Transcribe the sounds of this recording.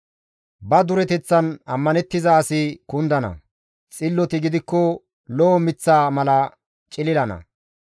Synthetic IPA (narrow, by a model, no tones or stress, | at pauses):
bɐd̪ʊɾɛt̪ɛt͡sːɐnɐmːɐnɛt̪ːɪzaːsɪkʊnd̪ɐnɐ̰ | t͡sʼɪlːɔt̪ɪɡɪd̪ɪkːɔ | lɔːmɪt͡sːaːmɐlɐ | t͡ʃʼɪlɪlɐnɐ̰